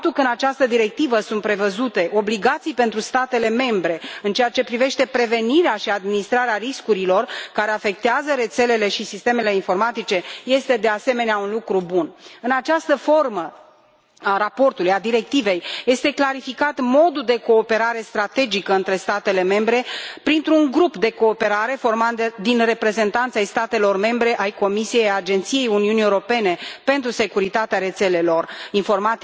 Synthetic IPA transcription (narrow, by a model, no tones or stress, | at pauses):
ap̚t̪ulkəɨnat͡ʃast̪əd̪iɾe̞k̚t̪ivəsunt̪̚pɾe̞vəzut̪e̞ʔo̞bliɡat̪sijpe̞nt̪ɾust̪at̪e̞le̞me̞mbɾe̞ɨnt͡ʃejat͡ʃe̞pɾive̞ʃt̪e̞pɾe̞ve̞niɾeaʃiad̪minist̪ɾaɾeariskuɾilo̞rkaɾe̞afe̞k̚t̪eazəɾe̞t̪se̞le̞le̞ʃisist̪e̞me̞le̞info̞rmat̪it͡ʃe̞je̞st̪e̞d̪e̞ase̞me̞neaunlukɾubunɨnat͡ʃast̪əfo̞rmə | arapo̞rt̪ulujad̪iɾe̞k̚t̪ive̞jje̞st̪e̞klaɾifikat̪mo̞d̪uld̪e̞ko̞ːpe̞ɾaɾe̞st̪ɾat̪e̞d͡ʒikəɨnt̪ɾe̞st̪at̪e̞le̞me̞mbɾe̞pɾint̪ɾuuŋɡɾupd̪e̞ko̞ːpe̞ɾaɾe̞fo̞rmat̪d̪əd̪inre̞pɾe̞ze̞nt̪ant̪sajst̪at̪e̞lo̞rme̞mbɾe̞ʔajko̞misije̞jad͡ʒe̞nt̪sije̞juniuniewɾo̞pe̞ne̞pe̞nt̪ɾuse̞kuɾit̪at̪eaɾe̞t̪se̞le̞lo̞rinfo̞rmat̪